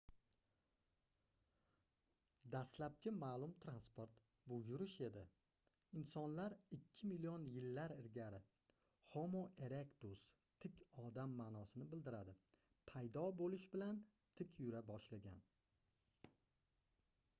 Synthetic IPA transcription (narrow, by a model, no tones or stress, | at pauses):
d̪aslap̚kʲɪmalˠʊmt̪ʰɾanspoɾt̪ | bʊjʊɾɪʃe̞d̪ɪ̰ | ɪnsɒnlaɾɪkʲʰːɪmilijonjɪlːaɾɪɾɡʲaɾɪ | hɒmoʔe̞ɾekt̪us | t̪ʰɪkʲʰɒd̪amːaːnɒsɪnɪbɪld̪ɪɾad̪ɪ | pʰajd̪ɒbolɪʃbɪlan | t̪ʰɪkʲʰjʊɾabɒʃlaɡʲa̰n